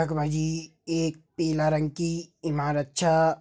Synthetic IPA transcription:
ɐkbʱad͡ʒi | eːk̚peːlaɾə̃ŋɡkiimaːɾətːʃʰa

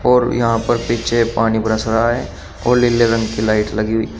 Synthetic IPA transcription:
ɔːɾjɐɦãpɐɾpiːt͡ʃʰepaːnibʱɾəsɾaɦe | ɔːɾlɪleɾɐ̃ŋɡkilaːɪʈlɐɡiɦuiː

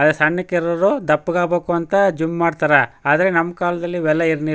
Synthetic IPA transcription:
ɐd̪esɐɳːɐkːeɾɐɾod̪ɐpːuɡaːbeːkuɐnt̪ɐd͡ʒummaːɖt̪aːɾɐaːd̪ɐɾenɐmːɐkaːlɐd̪ɐlːiʋɛlːɐiɾni

